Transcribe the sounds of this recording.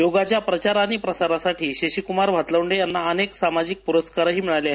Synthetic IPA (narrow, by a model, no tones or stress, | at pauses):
joɡat͡ɕjapɾət͡ɕaɾaːɽ̃ipɾəsaɾasaʈʰiːɕeɕikumaɾʋ̤ʱat̪laʋɳɖejanːaəneksamad͡ʑik̚puɾəskaɾɦiːmiɭalja